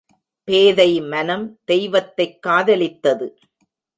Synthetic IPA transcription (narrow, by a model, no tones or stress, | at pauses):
peːðɐɪmɐnɐmd̪̥ɛjʋɐt̪ːɐɪkːaːðɐlɪt̪ːɐðɯ